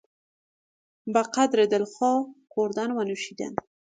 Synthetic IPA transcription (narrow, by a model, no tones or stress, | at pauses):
baqad̪ɾed̪əlxɔqoɾd̪ɑnwanuʃid̪a̰n